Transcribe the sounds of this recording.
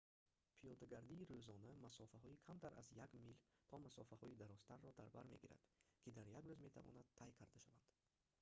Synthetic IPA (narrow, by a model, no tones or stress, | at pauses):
pʰijɔd̪aɡaɾd̪iːɾøzɔnamasɔfaɦɔikʰamt̪ʰaɾa̰zjaɡmilt̪ʰɔmasɔfahɔid̪aɾɔst̪ʰanːɔd̪aɾbaɾme̞ɡiɾa̰d̪̥kʲʰid̪aɾjaɡɾøzme̞t̪ʰavɔ̰nad̪̚t̪ʰːajkʰaɾd̪aʃavand̪̥